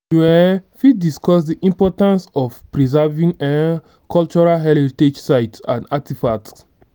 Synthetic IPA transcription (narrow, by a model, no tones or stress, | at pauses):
ɛfit̚diskɔsdiʔĩmpɔtãnsɔfpɹizɛvĩŋɛ | kɔlt͡ʃɔɹalɦɛlted͡ʒsaɪtsãndatifats